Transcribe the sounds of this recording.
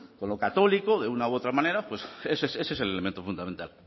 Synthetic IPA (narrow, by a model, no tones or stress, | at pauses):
ko̞nlo̞kat̪o̞likoðe̞unaoo̞t̪ɾamãne̞ɾapwe̞seseseses̬elelemẽnt̪ofund̪amẽnt̪a̰l